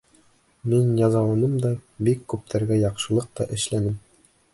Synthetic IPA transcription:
minjɑzɑlˠɑnɤmd̪ɒbikːʉp̚t̪ʰæɾɡæjɑqʃɤ̆lˠɤq̚t̪ɒʔɘ̆ʃlænɘm

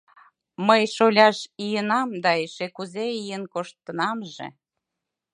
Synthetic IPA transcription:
məjʃolʲɑʃijənɑmd̪ɑeʃekuzeijenkoʃt̪ːənɑmʒḛ

